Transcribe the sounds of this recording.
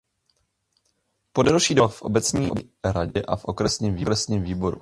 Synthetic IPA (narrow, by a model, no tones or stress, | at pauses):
po̞dalʃiːdofʔo̞bɛt͡sɲiːʔoɾaɟɛʔafʔo̞kɾɛsɲiːmviːɾɛsɲiːmviːbo̞ɾṵ